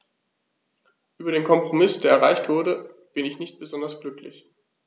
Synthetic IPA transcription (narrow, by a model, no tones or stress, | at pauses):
ʔyːbɐɾeːnkʰɔmpʁ̥omɪsd̥eːɐɛɐʁaɪçtv̥ʊɐɾəb̥ɪnɪçnɪçt̚b̥əzɔndɐsɡ̥lʏklɪ̰ç